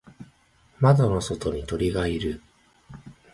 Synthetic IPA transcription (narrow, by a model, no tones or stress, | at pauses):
mad̪ono̞so̞t̪o̞ɲ̟it̪o̞ɾʲiɡaiɾɯ